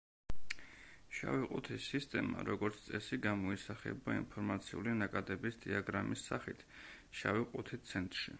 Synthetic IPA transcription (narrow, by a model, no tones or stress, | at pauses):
ʃa̰viqʼut̪ʰisːist̪ʼɛma̰ɾɔɡɔɾt̪sʰt̪sʼɛsiɡamɔisaχɛ̰baḭnpʰɔɾmat̪sʰiulinakʼad̪ɛbisd̪iaɡɾamisaχit̪ʰ | ʃavɛqʼut̪ʰit̪sʰɛnt̪ʼɾʃi